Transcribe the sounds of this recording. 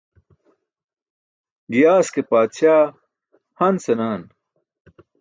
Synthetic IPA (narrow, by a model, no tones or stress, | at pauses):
ɡijaːskepaːt̪ɕaː | hɐnsenaːn